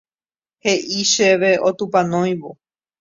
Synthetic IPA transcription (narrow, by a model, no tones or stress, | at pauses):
heʔiʃeʋe̞ot̪upãnõj̃ʋo